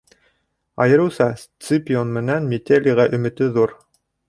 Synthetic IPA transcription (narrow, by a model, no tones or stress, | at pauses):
ɑ̰jɤ̆ɾɤ̆wsɑst̪sɨpʲɪonmɘ̆nænmʲet̪ʲelʲiʁæʔɵ̆mɘ̆t̪ɵðuɾ